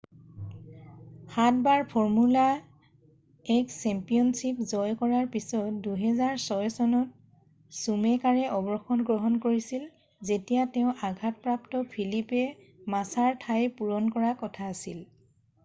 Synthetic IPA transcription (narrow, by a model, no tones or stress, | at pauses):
xatbaɹpʰɔɹmula | ɛksɛmpijɔnsipzɔjkɔɹaɹpisɔtduɦɛzaɹsɔjsɔnɔt̚ | sumɛkaɹɛʔɔbɹɔxɔnɡɹɔɦɔnkoɹisil | zetijateʊ̃ʔaɡʱat̚pɹaptɔpʰilipɛ | masaɹtʰajpuɹɔnkɔɹakɔtʰaːsil